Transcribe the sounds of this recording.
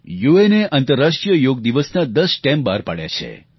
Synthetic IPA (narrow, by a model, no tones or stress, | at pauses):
jueneʔənt̪əɾːaʃʈɾijəjoɡ̚d̪iʋəsnad̪əsʈembaɾpa̰ɽja̰t͡ʃʰḛ